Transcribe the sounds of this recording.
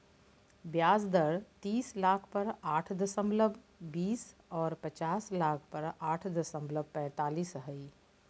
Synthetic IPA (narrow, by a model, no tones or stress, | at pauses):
bjaːzd̪əɽt̪iːslaːkʰpɐɾaːʈʰd̪əsə̃mbləb | biːsɔːɾpət͡ʃaːslaːk̚ʰpɐɾaːʈʰd̪əsə̃mbləb̚pɛ̃ːt̪aːliːsɦəi